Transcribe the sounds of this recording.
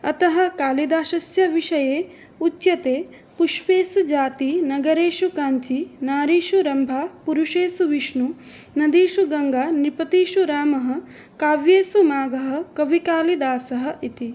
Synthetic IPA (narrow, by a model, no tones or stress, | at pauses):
ɐt̪ɐɦɐ̆kaːlid̪aːʃɐsjɐʋiʂɐjeː | ut̪jɐt̪eː | puʂʋeːsud͡ʒaːt̪inɐɡɐɾeːʂukaːɲt͡ʃinaːɾiːʃuɾɐmbʱapuɾuʂeːsuʋiʂɳu | nɐd̪iːʃuɡɐŋɡanipɐt̪iːʂuɾaːmɐɦɐ̆ | kaːʋjeːsumaːɡɐɦɐ̆kɐʋikaːlid̪aːsɐɦɐ̆ʔit̪i